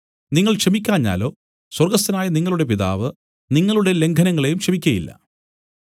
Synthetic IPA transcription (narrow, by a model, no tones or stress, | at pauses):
niŋːɐɭkʂɐmikʲːaːɲːa̰ːlo̞ː | swɐrɡɐst̪ɐnaːjɐniŋːɐɭuɽe̞p̬iða̰ːʋɨ | niŋːɐɭuɽe̞le̞ŋɡʰʱɐnɐŋːɐɭejumkʂɐmikʲːɐjilːɐ̰